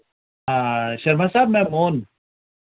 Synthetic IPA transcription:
aɕɐɾmasaːb̚mɛ̃moːn

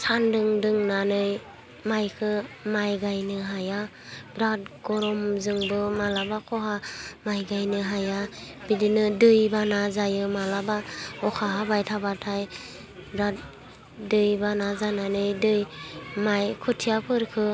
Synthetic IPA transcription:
sandɯŋdɯŋnanɯj | majkʰɯmajɡajnɯɦaja | ɡɾat̚ɡ̥ɔɾɔmzɯŋbɯmalabakʰɔɦamajɡajnɯɦajabidinɯdɯjbanazajɯmalabaɔkʰaɦabajtʰabatʰaj | ɡɾat̚ | dɯjbanazananɯjdɯjmajkʰɯtʰijapʰɯɾkʰɯ

